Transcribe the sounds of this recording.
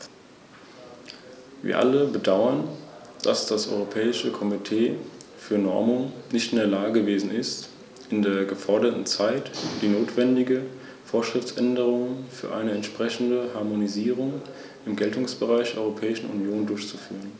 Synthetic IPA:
vḭːɐʔa̰ləbədaʊɐn | d̥asd̥asʔɔ̰ʏʁopʰɛːɪʃəkʰɔmitʰeːfyːɐnɔ̰ɐmʊŋnɪçtɪndeːɐlaːɡəɡəveːzn̩ɪst | ʔɪndeːɐɡəfɔɐdɐtn̩t͡saɪtd̥iːnoːtv̥ɛndɪɡə | foːɐʃʁ̥ɪft͡sʔɛndəʁ̞ʊŋfyːɐʔa̰ɪnəɛntʃpʁ̥ɛçn̩dəhaɐmoniziːʁ̞ʊŋ | ʔɪmɡɛltʊŋsb̥əʁaɪçd̥eɐʔɔʏʁopʰɛːɪʃn̩ṵnjoːndʊɐçt͡sufy̰ːʁən

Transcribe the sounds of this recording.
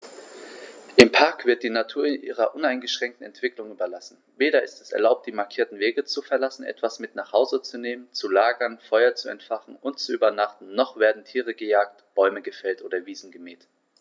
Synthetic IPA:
ʔɪmpʰaɐkv̥ɪɐt̚d̥iːnatʰuːɐɪnʔḭːʁɐʔʊnaɪnɡəʃʁ̥ɛŋk̚tn̩ɛntv̥ɪklʊŋyːbɐlasn̩veːɾɐɪstɛ̥sɛ̰ɐlaʊp̚td̥iːmaɐkʰiːɐtn̩veːɡət͡sufɛɐlasn̩ʔɛ̰tv̥asmɪtnaːχhaʊzət͡suneːmənt͡sulaːɡɐnfɔʏɐt͡suɛ̰ntfaχn̩ʔʊntt͡suʔyːbɐnaχtn̩nɔχv̥eːɐdn̩tʰiːʁəɡəjaːktb̥ɔʏməɡəfɛltʔoːɾɐviːzn̩ɡəmiːt

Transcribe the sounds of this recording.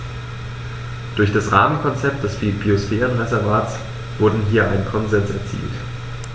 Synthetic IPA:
d̥ʊɐçd̥asʁaːmənkʰɔnt͡sɛp̚t̚d̥ɛsb̥ibiosfɛːʁənʁɛzɛɐvaːtt͡s | v̥ʊɐdn̩ɦiːɐʔaɪnənkʰɔnzɛnsɛɐt͡sḭːlt

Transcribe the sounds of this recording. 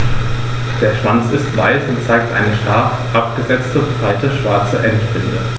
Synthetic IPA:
d̥eːɐʃv̥ant͡sɪstv̥a̰ɪsʊntt͡saɪk̚tʔa̰ɪnəʃtaɐ | ʔapɡ̥əzɛt͡stəʊntb̥ʁaɪtəʃv̥aɐt͡səʔɛntpʁɪnjə̰

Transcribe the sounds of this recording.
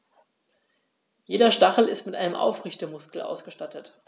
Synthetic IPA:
jeːdɐʃtaχl̩ɪstmɪtʔa̰ɪnəmʔa̰ʊfʁɪçtəmʊskl̩ʔa̰ʊsɡ̥əʃtatʰət

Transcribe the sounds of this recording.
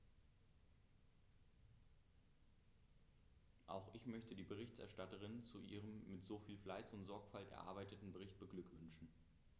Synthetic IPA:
ʔa̰ʊxʔɪçmœçtədiːbəʁ̞ɪçtʔɛ̰ɐʃtatəʁ̞ɪnt͡suʔḭːʁ̞əmːɪtz̥oːfiːlflaɪsʊntz̥ɔɐkfaltɛ̰ɐʔa̰ɐbaɪtətn̩bəʁ̞ɪçt̚b̥əɡlʏkv̥ʏnʃn̩

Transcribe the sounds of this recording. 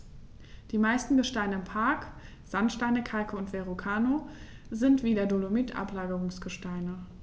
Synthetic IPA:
d̥iːmaɪstn̩ɡəʃtaɪnəɪmpʰaɐk | z̥antʃtaɪnəkʰalkəʊntv̥eʁokʰaːnozɪntv̥iːdeɐdolomitʔa̰plaːɡəʁʊŋsɡ̥əʃtaɪnə

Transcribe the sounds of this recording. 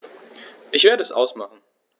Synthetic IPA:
ʔɪçv̥eːɐɾəɛsʔa̰ʊsmaχn̩

